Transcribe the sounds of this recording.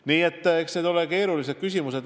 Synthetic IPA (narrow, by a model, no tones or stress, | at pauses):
niːet̪ːeksne̞d̪o̞leke̞ːɾulis̬ed̥̪̚kysʲimuse̞d̪